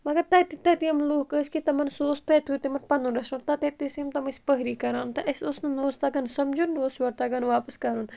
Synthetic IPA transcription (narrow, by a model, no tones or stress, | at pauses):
mɐɡɐɾt̪ɐt̪it̪ɐt̪iɐmloːkəsʲkit̪ɐmɐnsoːst̪ɐt̪ʰut̪imɐnpɐnunɾɐʃunt̪ɐt̪ɐt̪isimt̪ɐmɐsʲpəɦɾiːkɐɾãːnt̪ɐʔɐsʲosnɐnoːst̪aɡɐnsɐmd͡ʒunːoːsʋɐɾt̪aɡɐnʋaːpəskɐɾun